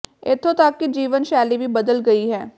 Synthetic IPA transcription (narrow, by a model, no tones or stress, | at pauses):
ɪ̰t̪ʰːot̪ɐkːid͡ʒiːʋənʃɛːlibʱibɐd̪əlɡɐiɦɛː